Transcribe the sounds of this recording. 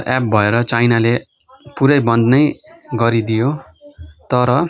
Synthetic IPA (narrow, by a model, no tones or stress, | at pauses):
ap̚bʱʌeɾʌt͡sajnale | puɾʌjbʌnd̪nʌjɡʌɾid̪ijo | t̪ʌɾʌ